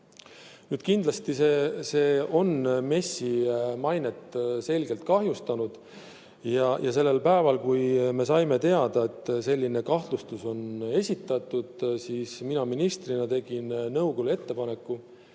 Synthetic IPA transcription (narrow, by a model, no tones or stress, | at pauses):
nyːd̪̥kind̪̥lɑst̪ise̞se̞ːo̞nme̞sːimɑjne̞t̪ːse̞lɡe̞lt̪̚kɑɦjust̪ɑnud̪̥ | jɑjʔɑse̞lːe̞lpæevɑlkujme̞sɑjme̞t̪e̞ɑd̪̥ɑe̞t̪ːˑse̞lʲːine̞kɑht̪lust̪uso̞ne̞sʲit̪ːˑɑt̪ːˑud̪̥siːsminɑminist̪rinɑt̪e̞ɡ̥innɤwɡ̥olue̞t̪ːe̞pɑne̞kːu